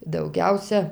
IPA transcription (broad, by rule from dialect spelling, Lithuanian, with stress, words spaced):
dɐʊˈɡʲɛʊsʲɛ